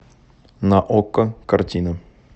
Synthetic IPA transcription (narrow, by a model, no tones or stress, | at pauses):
naʔokːəkɐrtʲinə